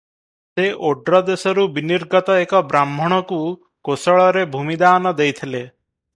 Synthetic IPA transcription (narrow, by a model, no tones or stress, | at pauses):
seʔoɖɾɔd̪esɔɾubiniɾɡɔt̪ɔekɔbɾamːʱɔɽ̃ɔku | kosɔɭɔɾebʱumid̪aːnɔd̪ejt̪ʰile